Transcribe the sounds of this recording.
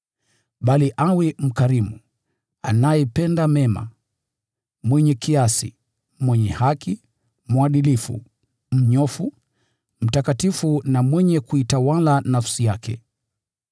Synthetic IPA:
ɓaliʔawɛm̩kaɾimṵ | a̰najɛpɛndamɛma̰ | mwɛɲɛkiasḭ | mwɛɲɛhaki | mwaɗilifṵ | m̩ɲɔfu | m̩takatifunamwɛɲɛkuitawalanafsijakʰɛ̰

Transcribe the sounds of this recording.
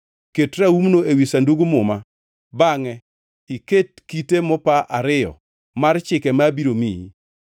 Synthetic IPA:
ketɾaumnoewisanduɡumʊma | baŋɛ | iket̚kitemɔpaʔaɾɪjɔ̰ | mart͡ʃɪkɛmabiɾomiḭ

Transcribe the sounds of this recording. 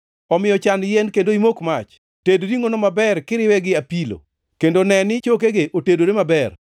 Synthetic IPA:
ɔmɪjɔt͡ʃanjɛnkendoimokmat͡ʃ | tedɾiŋonomabɛrkɪɾɪwɛɡɪapilo̰ | kendonɛnɪt͡ʃok̬eɡeʔotedoɾemabɛr

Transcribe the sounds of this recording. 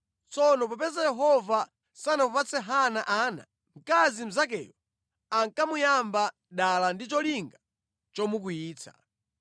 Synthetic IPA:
t͡sɔnɔp̬apɛzajɛɦɔva | sanapɔpat͡sɛɦanaʔaːna̰ | ŋ̩kazim̩zakɛ̰jɔ | aŋkamujamba | ɗalandit͡ʃɔliŋɡa | t͡ʃɔmuk̬ujiːt͡sʰḁ̰

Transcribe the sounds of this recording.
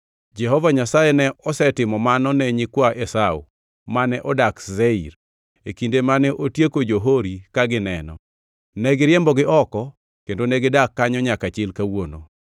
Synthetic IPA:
d͡ʒɛɦɔvaɲasajenɛɔsɛtɪmɔmanɔnɛɲɪkwaʔesaṵ | manɛʔɔdakzeiɾ | ekindemanɛʔotjekod͡ʒoɦoɾikaɡɪnɛnɔ̰ | nɛɡɪɾjɛmbɔɡɪʔɔkɔ | kendonɛɡɪdakːaɲɔɲakat͡ʃɪlkawono̰

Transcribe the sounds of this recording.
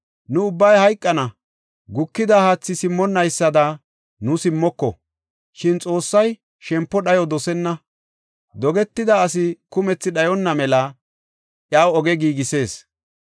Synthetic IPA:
nʊʊbːɐjhɐjkʼːɐnɐ | ɡʊkːɪd̪ɐhaːt͡sːɪsɪmːɔnːɐjsːɐd̪ɐ | nʊsɪmːɔkːɔ̰ | ʃɪnt͡sʼo̞ːsːɐj | ʃɛmpːɔɗɐjɔd̪ɔsɛnːɐ | d̪ɔɡɛt̪ːɪd̪ɐːs̬ɪkʊmɛt͡sːɪɗɐjɔnːɐmɛlɐ | ʔjaːwɔɡɛɡiːɡɪse̞ːs

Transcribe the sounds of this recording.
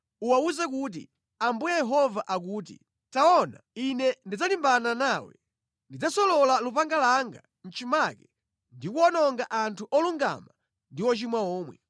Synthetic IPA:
uwauzɛkuːt̬ḭ | ambujɛjɛɦɔvaʔak̬uːt̬ḭ | taɔna̰inɛndid͡zalimbananaːwɛ̰ | ndid͡zasɔlɔlalupaŋɡalaŋɡa̰ | n̩t͡ʃimakɛ | ndikuɔnɔŋɡaʔantʰuʔɔluŋɡa̰ma | ndiwɔt͡ʃimwaɔːmwɛ̰

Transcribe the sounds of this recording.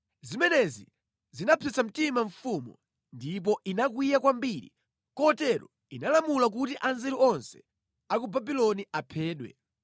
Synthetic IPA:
zimɛnɛzi | zinapʰɛsam̩timaɱfumṵ | ndip̬ɔʔinakwijakwambiɾḭ | kɔtɛɾɔ̰ | inalamulak̬utiʔanzɛɾuɔnsɛ̥ | akubabilɔniʔapʰɛːɗwɛ̰

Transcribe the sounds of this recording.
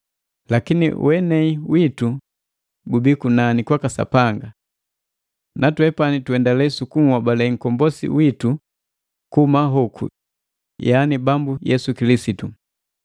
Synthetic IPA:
lakinḭwɛnɛiwitu | ɡubikunanikwakasa̰paŋɡa | natwɛpanituɛndalɛsukumwabalɛŋ̩kɔmbɔsḭwitu | kumaɦɔkʰṵ | janibambujɛsukilisitu

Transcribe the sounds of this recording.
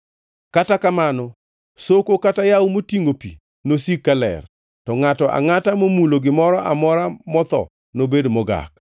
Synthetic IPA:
katakamanɔ | sokokatajawumotiŋopḭ | nosikːalɛ̰r | tɔŋatɔʔa̰ŋatamomuloɡɪmɔɾɔʔamɔɾamɔt̪ɔ̰ | nobedmɔɡa̰k

